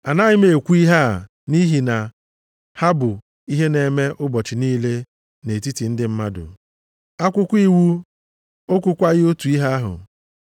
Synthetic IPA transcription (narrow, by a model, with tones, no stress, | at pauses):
a˨na˦ɣɪ˦me˨kʷu˦i˦ɦa˦˨ | ni˦ɦi˨na˨ | ha˦bʊ˨ | i˦ɦe˦ne˨me˦ʔʊ˦bɔ˨t͡ʃɪ˨niː˦le˦ | ne˨ti˦ti˨n̩˦dɪ˦m̩˦ma˦dʊ̰˨ | a˦kʷʊ˦kʷi˦wu˦ | o˦kʷʊ˦kʷa˦ɣɪ˦o˦tu˨i˦ɦa˦a˦ɦʊ̰˨